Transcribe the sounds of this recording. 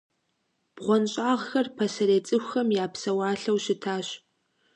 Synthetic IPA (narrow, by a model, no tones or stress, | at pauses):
b̥ʁʷɔnɕʼaːʁxɐrpʰɐsɐɾeːt͡sʼɨxʷxɐmjaːpsɐwɑːɬɐwɕɪtʰaːɕ